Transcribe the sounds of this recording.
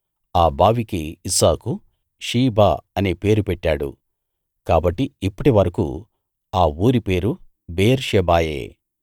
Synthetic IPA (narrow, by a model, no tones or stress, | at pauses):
aːbaːʋikiːsaːku | ʃiːbaːɐneːpe̞ːɾupɛʈːaːɽṵ | kaːbɐʈːiipːɐʈiʋɐɾɐkṵ | aːuːɾipe̞ːɾu | beːɾʃɛbaːjḛː